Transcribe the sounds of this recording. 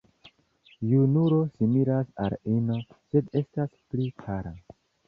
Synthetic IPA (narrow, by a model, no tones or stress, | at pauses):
junuɾo̞simiɾasa̰ɾino̞se̞de̞stasplikʰaɾa